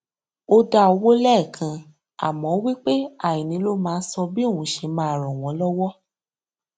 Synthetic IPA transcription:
o˧da˧o˧wo˦lɛ˦ɛ˦˨kʰã˧ | a̰˨mɔ̃˨˦wi˦k͡pe˦a˦˨ĩ˨nĩ˨˦lo˦mãː˧n̩˦sɔ˧bi˦o˦˨wũ˨˦ʃe˨˧mãː˦a˨ɾɔ̃˨w̃ɔ̃˨˦lɔ˦wɔ˦

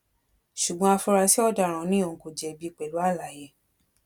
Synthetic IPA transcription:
ʃu˨ɡ͡bɔ̃˧˦a˧fɔ˧ɾa˧si˦ɔ˦˨da˦˨ɾ̃ã˨˦nĩ˦o˨ko˨d͡ʒɛ˨bi˧k͡pɛ˨lu˨˦a˦˨la˨je˨˦

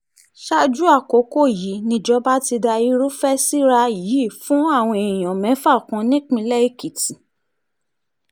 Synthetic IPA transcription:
ʃa˦d͡ʒu˦a˦˨ko˨˦ko˦˨ji˨˦nĩ˧d͡ʒɔ˦ba˦ti˧da˧i˧˦ɾu˦fɛ˦si˦ɾa˧ji˨˦˨fũ˨˦a˦˨w̃ɔ̃˧e˨j̃ɔ̃˨mɛ̃˨˦fa˦˨kɔ̃˧nĩ˦kmĩ˧lɛ˦i˦˨ki˨ti˨

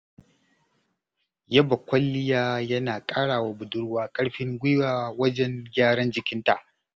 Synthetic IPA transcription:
jɐ˦bɐ˨kʷɐ˦lːɪ˦jaː˦jɐ˦naː˨kʼaː˦ɽaː˨waː˨bʊ˨dʊ˦ɽwaː˦kʼɐ˦ɽɸɪ˦ŋɡʷɪ˦jwaː˨wɐ˦d͡ʒɛ˦ŋɡʲaː˦ɽɐ˦nd͡ʒɪ˨kʲɪ˦nta˨ʔ

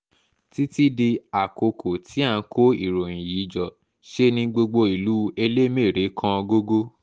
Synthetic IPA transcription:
ti˦ti˦di˧a˨ko˧kʰo˨tʰi˨˦a˦˧˨ko˦ḭ˨ɾo˨j̃ĩ˨ji˨˦d͡ʒɔ˨ | ʃe˦nĩ˧ɡ͡bo˧ɡ͡bo˧i˨lu˨˦e˧le˦me˦˨ɾe˨˦kʰã˧ɡo˦ɡo˦

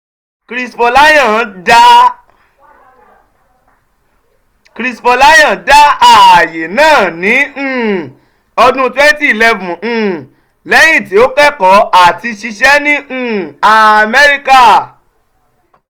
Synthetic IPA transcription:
kɾi˧spo˧la˦jã˦˨da˦ | kɾi˧spo˧la˦jã˦˨da˦a˦˨je˨nãː˦˨nĩ˨˦˨ | ɔ˧dũ˦twɛ˦n˦ti˦i˨lɛ˧vũ˨˦˧ | lɛ˦j̃ĩ˦˨ti˨˦o˦kɛ˦kɔ˨˦a˦˨ti˧ʃi˧ʃɛ˦nĩ˦˨a˨a˧mɛ˦ɾi˦ka˦˨

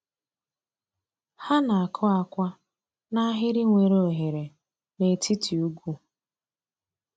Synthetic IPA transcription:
ha˦na˨a˨kʰɔ˦a˨kʷa˦ | na˦ɦɪ˦ɾɪ˦ŋʷe˨ɾo˨ɦe˨ɾe˨ | ne˨tʰi˦tʰi˨u˦ɡu˦

